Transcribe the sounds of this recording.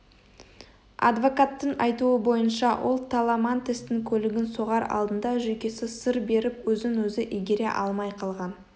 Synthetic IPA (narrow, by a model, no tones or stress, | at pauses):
ɑ̰d̪vo̞kat̪ːəɴɑjt̪uəbo̞jənʃɑwʔo̞lˠt̪ʰɑlˠɑmɑnt̪ʰest̪ɪŋkʲʰɵlɪɡʲɪnso̞ʁɑɾɑ̰lˠd̪ənd̪ɑʒɵjkʲe̞sɪsəɾbe̞ɾɪpwɵzɪŋwɵzɪʔijɡʲeɾe̞ʔɑlˠmɑjqʰɑlˠʁɑn